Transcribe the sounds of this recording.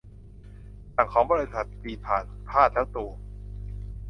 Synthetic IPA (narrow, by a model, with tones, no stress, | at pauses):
t̪a˨˩ŋkʰɔː˩˦ŋbɔː˧ɾe˧˥sa˨˩t̪̚ːpiː˧pʰaː˨˩npʰaː˥˩t̪̚lɛː˦˥wt̪u˧ɐ